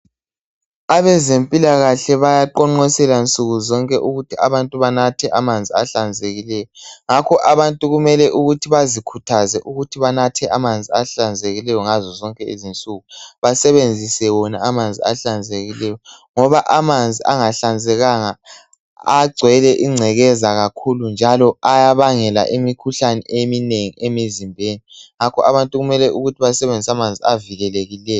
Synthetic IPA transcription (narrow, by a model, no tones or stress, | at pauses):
aβɛzempʼilaɣaɬɛβajaǃɔŋ͡ǃɔsɛlant͡sʼuɣuzɔŋkʼɛʔuɣutʰiʔa̰βantʼuβanatʰɛʔamand͡zʱiaɬand͡zʱeɣilɛːjɔŋakʰɔʔaβantʼuɣumɛlɛʔuɣutʰiβazikʰutʰazɛʔuɣutʰiβanatʰɛʔamand͡zʱiaɬand͡zʱeɣilɛjɔŋazɔzɔŋkʼɛizint͡sʼuɣuβasɛβend͡zʱisɛwɔnaamand͡zʱiaɬand͡zʱeɣilɛjɔŋɔβaʔamand͡zʱiʔaŋaɬand͡zʱɛɣaŋa | aɡ͡ǀʱwɛlɛʔiŋ͡ǀʱɛɣɛzaɣakʰulund͡ʒʱalɔajaβaŋɛla̰ʔemikʰuɬanɛ̰ʔemineŋiʔemizimbʱeːniŋakʰɔʔaβantʼuɣumɛlɛʔuɣutʰiβasɛβend͡zʱisamand͡zʱiaviɣɛleɣilɛːjɔ